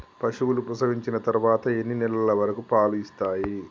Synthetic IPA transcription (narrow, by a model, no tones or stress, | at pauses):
pɐʂuʋulupɾɐsɐʋiɲt͡ʃinɐt̪ɐɾuʋaːt̪ɐe̞nːinɛlɐɐlɐʋɐɾɐkupaːluist̪aːji